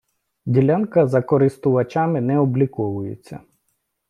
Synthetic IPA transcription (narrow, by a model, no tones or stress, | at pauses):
dʲilʲankɐzɐkɔɾɪst̪ʊʋɐt͡ʃamɪnɛɔblʲikɔʋʊjet͡sʲːɐ̰